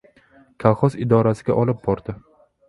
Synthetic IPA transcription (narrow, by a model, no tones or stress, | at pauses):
kʲʰalˠχɒsɪd̪ɒɾasɪɡʲaʔɒlˠɪp̚bɒɾd̪̥ɪ